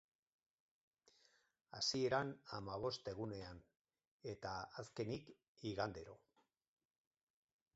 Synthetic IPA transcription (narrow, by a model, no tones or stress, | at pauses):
asie̞ɾanamaβ̞o̞st̪e̞ɣune̞an | e̞t̪aaske̞nik | iɣand̪e̞ɾo̞